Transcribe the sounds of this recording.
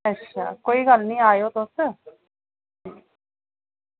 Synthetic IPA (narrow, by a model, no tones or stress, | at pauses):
ətʃʰa̰ːkoːiːɡəlnĩːaːjoːt̪ʊs | iː